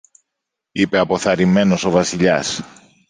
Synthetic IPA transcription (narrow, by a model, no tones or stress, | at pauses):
ipe̞ɐpo̞θɐɾime̞no̞so̞vɐsiʎɐ̰s